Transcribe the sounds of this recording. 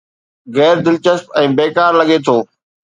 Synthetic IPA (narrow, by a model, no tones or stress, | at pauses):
ɣɛːɾd̪ɪlt͡ɕəspɛ̃ːbeːkaːɾlɐɠet̪ʰoː